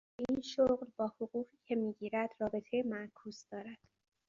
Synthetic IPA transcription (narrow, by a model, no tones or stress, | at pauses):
ʔinʃoɢlbɒːhoɣuːʁiːcʰemiːɟiːɾæd̪̥rɒːbe̞t̪ʰejemæʔkʰuːzd̪ɒːɾæd̪̥